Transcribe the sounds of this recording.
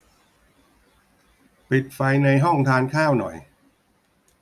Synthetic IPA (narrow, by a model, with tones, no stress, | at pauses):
pi˨˩t̪̚fa˧jna˧jɦɔ˥˩ŋt̪ʰaː˧nkʰaː˥˩wnɔ̰˨˩j